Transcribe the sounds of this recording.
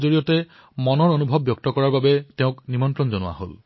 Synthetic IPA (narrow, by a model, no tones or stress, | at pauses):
zoɹijɔtɛ | mɔnɔɹonubʱɔbːjɔk̚tɔkɔɹaɹbabɛteʊ̃knimɔntɹɔnzɔnʊwa̰ɦo̰l